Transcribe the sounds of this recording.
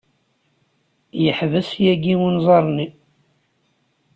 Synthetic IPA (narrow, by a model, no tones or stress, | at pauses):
jəħvəsjæɡiwunzˤɑɾˤni